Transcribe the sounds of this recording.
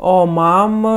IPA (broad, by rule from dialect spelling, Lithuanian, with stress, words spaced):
oː ˈmɐm